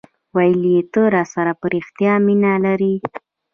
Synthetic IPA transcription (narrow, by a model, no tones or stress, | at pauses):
wajəljet̪əɾɑsaɾapəɾixt̪jɑminalaɾi